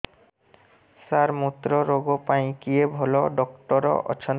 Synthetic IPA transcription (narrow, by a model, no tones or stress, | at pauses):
saɾmut̪ːɾoɾoɡopaj̃kiebʱɔloɖɔkʈɔɾɔ̰ʔɔ̰t͡ɕʰon